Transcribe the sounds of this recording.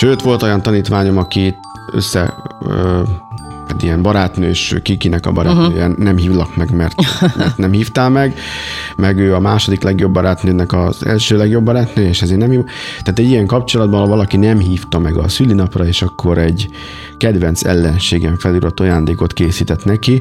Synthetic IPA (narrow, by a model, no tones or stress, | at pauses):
ʃøːt̪ʋo̞lt̪o̞jɒnt̪ɒniːt̪ʋaːɲo̞mɒkit̪ | ø̰sːɛ̰ | at̪ijɛmbɒɾaːt̪nø̰ːʃkikinɛkɒ̰bɒɾʔa̰t̪nøːjɛnɛmɦiːvnɒkmɛɡmɛrt̪mɛ̰rt̪nɛmhiːft̪aːlmɛɡmɛɡøːɒmaːʃo̞d̪iklɛɡjo̞bːɒɾaːt̪nøːnɛkɒzɛ̰lʃøːlɛɡjo̞bːɒɾaːt̪nøːjɛeːʃɛzeːrnɛmhit̪ɛaːt̪ɛɟːijɛŋkɒpt͡ʃo̞lɒd̪bɒnhɒvɒlɒkinɛmɦiːft̪ɒmɛɡɒ̰sylːinɒprɒeːʃɒkːo̞ɾɛɟ | kɛd̪ʋɛnt̪sɛ̰lːɛnʃeːɡɛɱfɛlyɾɒt̪ːojaːnd̪eːko̞t̪keːsiːt̪ɛt̪nɛki